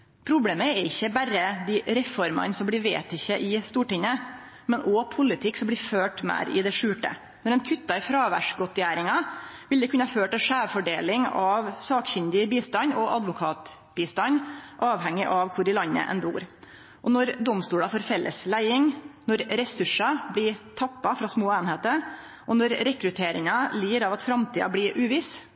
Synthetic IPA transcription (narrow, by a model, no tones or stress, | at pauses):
pʰɾʊbleːməɛɾɪçːəbæɾəd̪ɪɾɛfɔɾmɑ̰nsɔmblɪʋḛːt̪ɪçːəʔɪst̪uːʈɪŋːə | mɛnʔɔpʰʊlɪt̪ʰɪkːsɔmblɪːføːʈmæ̰ːɾɪ̰d̪ɛʂʉːʈə̰ | nɔɾɛnkʰʏt̪ːɑɪfɾɑːʋæ̰ʂɡɔt̪ːjæːɾɪŋɑʋɪld̪ɛkʉnəhɑføːʈɛʂæːʋfɔɖeːlɪŋɑʋsɑːkçʏnd̪ɪbiːst̪ɑnɔʔɑd̪ʋʊkʰɑːt̪ | b̥iːst̪ɑɲʔɑːʋhɛŋːɪʔɑʋkʰʊɾɪlɑnːə̰ʔɛ̰nbṵːɾ | ʔɔnɔɾd̪ɔmst̪uːɽɑfɔɾfɛlʔə̰slæɪɪŋnɔɾɾɛsʉʂɑblɪt̪ʰɑpːɑfɾɑsmoːeːnheːt̪əɾ | ʔɔnɔɾɾɛkɾʉt̪ʰeːɾɪŋɑliːɾɑʋɑt̪fɾɑmt̪ʰiːɑ̰blɪɾʔʉːʋɪs